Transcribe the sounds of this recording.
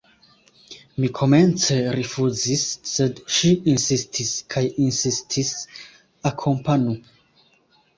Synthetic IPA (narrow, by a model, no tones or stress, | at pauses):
mikʰomẽnt͡seɾifuzisːedʃiinsistʰiskʰajinsistʰis | akʰompanu